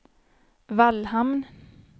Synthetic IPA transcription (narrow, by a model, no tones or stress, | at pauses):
ʋɑlhɑmn